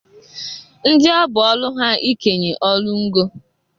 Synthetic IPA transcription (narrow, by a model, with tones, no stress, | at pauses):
n̩˦d͡ʒɪ˦ɔ˦bʊ˨ɔ˦lʊ˦ɦa˦i˦ke˨ɲe˨ʔɔ˦lu˦ŋ̩˦ɡo˦